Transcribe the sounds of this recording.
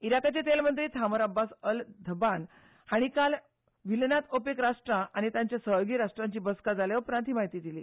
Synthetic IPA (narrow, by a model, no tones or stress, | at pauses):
iɾakat͡ɕet̪elmənt̪ɾiːt̪ʰaməɾabːasəld̪ʱəban | haɽ̃ikal | ʋilnat̪opekɾaʂʈɾãʔaɽ̃it̪jãɲt͡ɕjasəɦoɡiːɾaʂʈɾãɲt͡ɕiːbəskad͡zaljaupɾãnt̪ɦiːmaɦit̪iːd̪iliː